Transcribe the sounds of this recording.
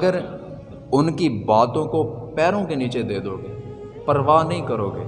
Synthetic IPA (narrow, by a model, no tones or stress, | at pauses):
əɡəɾ | ʊnkibaːt̪õkopɛːɾõkeniːt͡ʃed̪eːd̪oːɡeː | pəɾʋaːnɐɦĩkɐɾoːɡḛː